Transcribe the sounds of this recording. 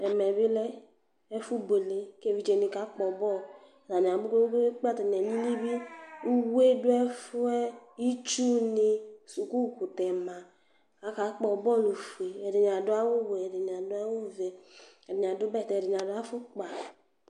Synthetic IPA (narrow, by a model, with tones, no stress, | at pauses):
ɛ˨mɛ˨bi˦lɛ˦ | ɛ˦fu˦bo˨le˨˦ke˦˨vi˦d͡ʒe˨ni˨˧˨ka˨˦k͡pɔ˨bɔ˦˨ | za˨n˨a˨bu˦ko˦ke˦k͡pa˦ta˨n˨ɛ˨ni˦ni˦bi˦u˦we˦dʊ˦ɛ˦fu˦ɛ˦i˦t͡ʃu˦ni˧˨su˨ku˦˨ku˨tɛ˨ma˨ | a˨˦ka˨˦k͡pɔ˨bɔ˦˨lu˨fu˨e˨ɛ˨di˨ɲ˨a˨dʊ˦a˦wʊ˦wɛ˨de˨ɲ˨a˨dʊ˦a˦wʊ˦vɛ˨ɛ˨dɪ˨ɲ˨a˨dʊ˦bɛ˦˨tɛ˨di˨ɲ˨a˨dʊ˦a˦fʊ˦k͡pa˨